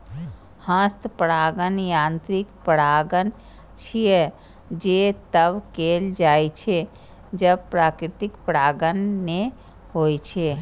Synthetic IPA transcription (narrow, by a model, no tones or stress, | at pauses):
hə̃st̪pəɽaːɡənjãnt̪ɾikpəɽaːɡən | t͡ʃʰije | d͡ʒet̪əbkeld͡ʒaːjt͡ʃʰe | d͡ʒəb̚pɾaːkɾɪt̪ikpəɽaːɡənːe | ɦoːjt͡ʃʰe